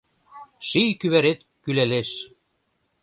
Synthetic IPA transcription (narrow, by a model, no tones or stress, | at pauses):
ʃijkyβæɾet̪ | kyleleʃ